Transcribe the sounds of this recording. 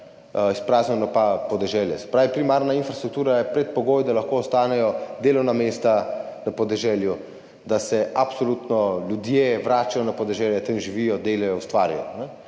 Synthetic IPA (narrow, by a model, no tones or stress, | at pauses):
ispɾaːznɛnɔpapɔd̪ɛʒɛljɛsɛ̥pɾaːʋipɾimaːɾnainfɾast̪ɾuk̚t̪uːɾajɛpɾɛt̪̚pɔɡoːjd̪alaxkoːst̪aːnɛjɔd̪eːlɔwnameːst̪anapɔd̪ɛʒɛːlju | d̪asɛapsɔluːt̪nɔljud̪jeʋɾaːt͡ʃajɔnapɔd̪ɛʒɛːljɛt̪əmʒiʋijɔd̪eːlajɔwst̪ʋaːɾjɔ̰nɛ